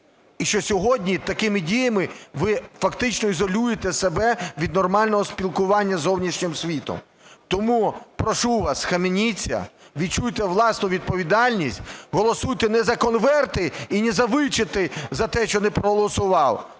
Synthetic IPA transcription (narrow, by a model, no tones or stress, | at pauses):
iʃt͡ʃɔsʲɔɦɔdʲnʲit̪ɐkɪmɪdʲijɐmɪʋɪfɐkt̪ɪt͡ʃnɔizɔlʲujet̪ɛsebɛʋʲid̪nɔrmɑlʲnɔɦɔspʲilˠkʊʋɑnʲːɐzɔwnʲiʃnʲɪmsʲʋʲit̪ɔ̰m | t̪ɔmupɾɔʃuʋɑsxɐmenʲit͡sʲːɐ̰ʋʲid̪̚t͡ʃujt̪ɛʋlˠɑsnʊʋʲid̪̚pɔʋʲid̪ɑlʲnʲisʲtʲɦɔlˠɔsujt̪ɛnɛzɐkɔnʋɛrt̪ɪinɛzɐʋɪt͡ʃɪt̪ɪzɐt̪ɛʃt͡ʃɔnɛpɾɔɦɔlˠɔsʊʋɑw